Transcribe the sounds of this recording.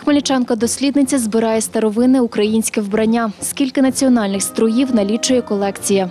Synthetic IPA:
xmɐlʲit͡ʃɑnkɐd̪ɔsʲlʲid̪nɪt͡sʲɐzbɪɾɑjɛst̪ɐɾɔʋɪnɪʊkɾɐjinʲsʲkʲɪwbɾɐnʲːaskʲilʲkɪnɐt͡sʲiɔnɑlʲnɪxst̪ɾɔjiwnɐlʲit͡ʃʊjɛkɔlˠɛkt͡sʲijɐ

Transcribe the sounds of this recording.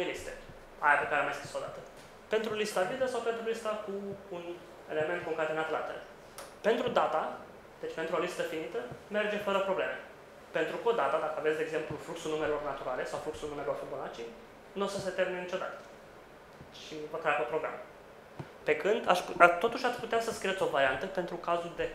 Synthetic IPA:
nelist̪e | ajapekaɾeamajsp̪uso̞d̪at̪ə̥ | pe̞nt̪ɾulist̪avid̪əsawpe̞nt̪ɾulist̪akuːn | e̞̰le̞me̞nt̪koŋkɾet̪enat̪əla̰t̪eɾḛ | pe̞nt̪ɾud̪at̪a | d̪̥e̞t͡ʃpet̪ɾuo̞list̪əfinit̪əme̞rd͡ʒe̞fəɾəpɾo̞ble̞̰me | pe̞nt̪ɾukod̪at̪ad̪akəavet̪sd̪eɡzemplufluksulnume̞lo̞rnat̪uɾale̞sawfluksulnume̞lo̞rfubolat͡ʃi | nosəse̞t̪eɾminenit͡ʃo̞d̪a̰t̪ə̥ | ʃipək̪ɾapəpɾo̞ɡɾa̰m | pe̞kɨnd̪aʃpt̪ːo̞t̪uʃasʲput̪easəskɾiet̪sʲovaɾiant̪əpe̞nt̪ɾukazuld̪e̞

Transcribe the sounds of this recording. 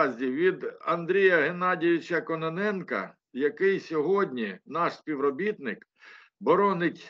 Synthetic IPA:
zʲdʲiʋʲid̪ɐnd̪ɾʲijɐɦenɑdʲiʋʲɪt͡ʃɐkɔnɐnɛnkɐ̰ | jɐkɪjsʲɔɦɔdʲnʲinɑʃsʲpʲiwɾɔbʲit̪nɪk | bɔɾɔnɪk

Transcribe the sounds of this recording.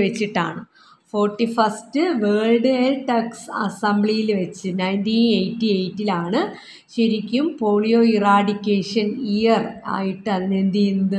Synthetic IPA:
ʋet͡ɕːiʈːa̰ːɳɨ | fo̞ːrʈːifɐstɨʋeːɻɖɨelʈɐksɐ̰sɐmbɭijilʋet͡ɕːɨnɐjntiːnejtːiejtːilaːɳɨ | ɕeɾikʲːumpo̞ːɭijo̞ːiraːɽikʲːeːʂɐnijɐra̰ːjiʈːɨɐðinɐend̪ijnd̪ɨ

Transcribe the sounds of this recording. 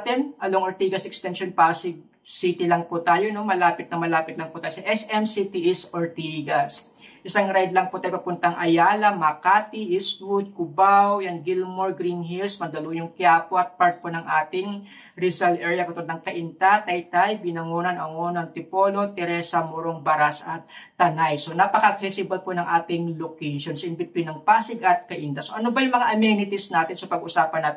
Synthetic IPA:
t̪ɛnʔɐloŋʔoɹt̪iːɡɐsɛkst̪ɛnʃonpaɐsɪɡ̚ | sit̪ɪlɐŋpʊt̪aːjono̞mɐlaːpɪt̪̚nɐmɐlaːpɪt̪lɐŋpʊt̪aːjosɐʔɛsʔɛmsit̪iʔisʔoɹt̪iɡɐs | ʔɪsaŋɾajd̪lɐŋpot̪aːjpɐpʊnt̪ɐʔɐŋʔɐjaːlɐmɐkaːt̪ɪʔistwʊd̪̚kʊbawjɐŋɡilmoɹɡɾinɦilsmɐnd̪ɐluːjʊŋkɪaːpoʔɐt̪̚paɹt̪̚ponɐŋʔaːt̪ɪŋ | ɾɪzalʔɛɹjɐkot̪od̪nɐŋkɐʔɪnt̪at̪ɐjt̪ajbɪnɐŋoːnɐnɐŋoːnɐŋt̪ɪpo̞ːlo̞t̪ɛɾɛːsɐmuɾoŋbɐɾasɐt̪̚ːɐnajso̞napɐkɐʔɐk̚sɛsɪbɐlponɐŋʔaːt̪ɪŋlokɛjʃo̞nsɐʔɪmbɪt̪̚pʊnɐŋpaːsɪɡɐt̪̚kɐʔɪnt̪asoʔɐnobɐjʊŋmɐŋaʔɐmjɛnɪt̪ɪsnaːt̪ɪnsopɐɡʊsaːpɐnɐt̪

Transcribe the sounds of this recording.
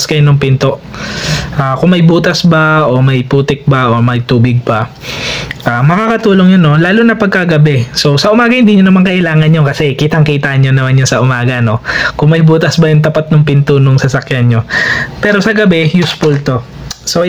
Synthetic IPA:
skɐjonoŋpɪnt̪oʔ | ʔaːkʊŋmɐjbuːt̪ɐsbɐʔo̞mɐjpuːt̪ɪk̚bɐʔomɐjt̪uːbɪɡ̚bɐ | ʔaːmɐkaːkɐt̪uːloŋjonːo̞laːlʊnɐpɐɡ̚kɐɡɐbɛso̞sɐʔʊmaːɡɐhɪnd̪iːɲonɐmaŋkɐʔɪlaːŋɐnjokɐsɛkiːt̪ɐŋkiːt̪aʔɐɲɲonɐmanɲosɐʔʊmaːɡɐno̞kʊŋmɐjbuːt̪ɐsbɐjʊŋt̪ɐpat̪̚nʊŋpɪnt̪onʊŋsɐsɐkjanɲo̞pɛːɾo̞sɐɡɐbɛjuspʊlt̪o̞ | so

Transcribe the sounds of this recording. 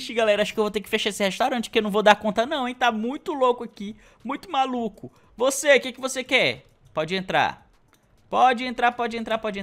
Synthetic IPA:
t͡ʃiɡalɛɾɐaʃʊkɪewvot̪eɾkɪfeʃaesɪheʃt̪awɾɐ̃nt͡ʃɪ̥kewnɐ̃w̃vod̪aɾkõnt̪ɐnɐ̃w̃ẽt̪amũj̃t̪ʊlokʊaki | mũj̃t̪ʊmalukʊ | vosekekɪvosekɛ | pɔd͡ʒɪẽnt̪ɾa̰ | pɔd͡ʒɪẽnt̪ɾapɔd͡ʒɪẽnt̪ɾapɔd͡ʒɪẽ

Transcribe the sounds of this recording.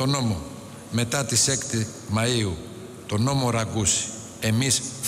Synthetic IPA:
t̪o̞no̞mo | me̞t̪ɐt̪ise̞kt̪i | mɐiu | t̪o̞no̞mo̞ɾɐɡusi̥ | e̞misf

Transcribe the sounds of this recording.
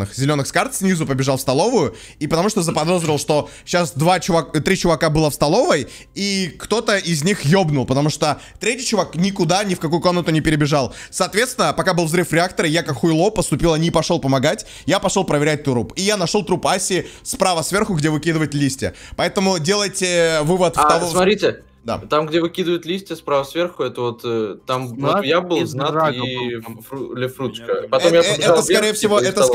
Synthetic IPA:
ɨxzʲɪlʲo̞nːɨxskart̪sʲnʲizʊpəbʲɪʐalˠfst̪ɐlˠo̞vʊjʊ | ipət̪ɐmuʂt̪ozəpɐd̪o̞zɾʲɪlˠʂt̪o̞ | ɕasd̪vat͡ɕʊvakt̪ɾʲit͡ɕʊvɐkabɨlˠəfst̪ɐlˠo̞vəj | ikt̪o̞t̪əɪzʲnʲixjo̞bnʊlˠpət̪ɐmuʂt̪o | t̪ɾʲetʲijt͡ɕʊvaknʲɪkʊd̪anʲɪfkɐkujʊko̞mnət̪ʊnʲɪpʲɪɾʲɪbʲɪʐalˠsɐːt̪vʲe̞t̪st̪vʲɪnəpɐkabɨlˠvzɾɨfɾʲɪak̚t̪əɾəjakakxʊɪlˠopəst̪ʊpʲilˠənʲɪpɐʂolˠpəmɐɡatʲ | japɐʂolˠpɾəvʲɪɾʲæt̚ʲt̪ʊɾupijanɐʂo̞lˠt̪ɾupasʲɪspɾavəsvʲerxʊɡdʲevɨkʲid̪ɨvəjɪt̪ʲlʲisʲtʲɪ̰pɐɛt̪əmʊdʲe̞lˠəjtʲɪvɨvət̪ft̪ɐvsmɐt̪ɾʲitʲɪ | d̪a̰t̪amɡdʲevɨkʲid̪ɨvəjʊt̪lʲisʲtʲɪspɾavəsvʲerxʊɛt̪əvot̪ːt̪ːamvojabɨlˠznati | lʲɪfɾut̪t͡ʃkəpɐtomjaɛɛəskɐɾʲejəfsʲɪvoɛt̪ə

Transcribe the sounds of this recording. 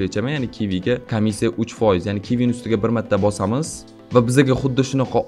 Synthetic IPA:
et͡ʃʰamajanɪkʲʰiviɡʲakʰamːisːijaʔʊt͡ʃfɒjɪzjanɪkʲʰivinʊst̪ɪɡʲabɪɾmat̪ʰːabɒsamɪz | vabɪzaɡʲaχʊd̪ːɪʃʊnɑqʰɑ

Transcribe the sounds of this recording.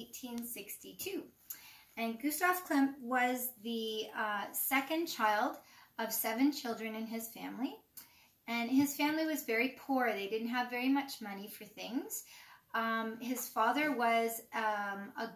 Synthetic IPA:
ɪtʰĩnsɪkstitʰʉ | ɨ̃nɡʉstɑfkʰl̥ɪ̃mp̚wʌzðɨ | sɛkɨ̃nt͡ʃʰaɪlˠdʌv̥sɛvɨ̃nt͡ʃʰɪlˠdɹɨ̃nɨ̃nɪz̥fæ̃mli | ɨ̃nɪz̥fæ̃mliwʌzvɛɹipʰuɹðeɪdɪdⁿn̩t̚ɦɨvɛɹimʌt͡ʃmʌnifə˞θɪ̃ŋz̥ | ɪz̥fɑðə˞wʌz | ə

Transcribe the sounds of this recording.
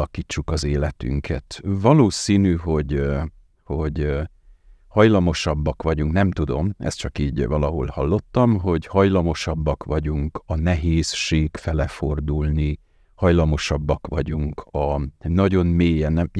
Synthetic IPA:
ɒkiːt͡ʃːukɒzeːlɛt̪y̰ŋkʰɛ̰t̪vɒloːsiːnyɦo̞ɟ | ho̞ɟ | hɒjlɒmo̞ʃɒbːɒkʋɒɟuŋknɛmt̪ud̪o̞mɛ̰st̪t͡ʃɒkiːɟvɒlɒɦo̞̰lhɒlːo̞t̪ːɒmɦo̞ɟhɒjlɒmo̞ʃɒbːɒkʋɒɟuŋkɒnɛɦeːsʃeːkfɛlɛfo̞rd̪ulni | hɒjlɒmo̞ʃɒbːɒkʋɒɟuŋkʰɒnɒɟo̞nmeːjɛnɛ

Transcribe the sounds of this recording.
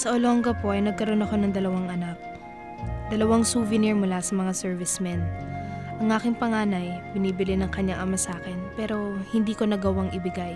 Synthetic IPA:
sɐʔoloŋɡɐpo̞ʔɐjnɐɡ̚kɐɾo̞nɐko̞nɐŋd̪ɐlɐwaŋʔɐnak̚ | d̪ɐlɐwaŋsuvɪniɹmʊlasɐmɐŋasɛɹvɪsmɛnʔɐŋʔaːkɪŋpɐŋaːnɐjbɪniːbɪlɪnɐŋkɐɲːaŋʔɐmasaːkɛnpɛːɾo̞hɪnd̪iːko̞nɐɡɐwaŋʔɪbɪɡaj

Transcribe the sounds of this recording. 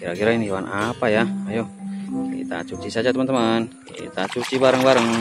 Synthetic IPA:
kiɾakiɾainiwanʔapajaajoḭt̪a̰t͡ʃut͡ʃisad͡ʒat̪əmant̪əman | it̪at͡ʃut͡ʃibaɾəŋbaɾəŋ

